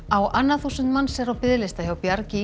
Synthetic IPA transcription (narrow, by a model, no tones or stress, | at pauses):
awanːaθusʏnt̪manːsɛɾawpɪðlɪst̪açawpjaɾcɪ